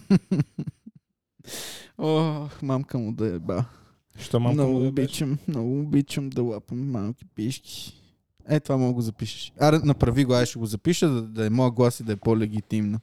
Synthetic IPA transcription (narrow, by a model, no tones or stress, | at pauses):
ɔxmamkəmʊd̪ɐɛba | ʃt̪ɔmamnɔɡʊːbit͡ʃəmmnɔɡʊːbit͡ʃəmd̪ɐlˠapəmːalˠki̥piʃkʰʲi̥ | ɛt̪ovamnɔɡɡozɐpiʃə̥ʃaɾɛnɐpɾɐviɡoaɛʃɛɡozɐpiʃəd̪ɐd̪ɐɛmɔjəɡlˠasid̪ɐɛpolɛɡ̟ʲit̪imnə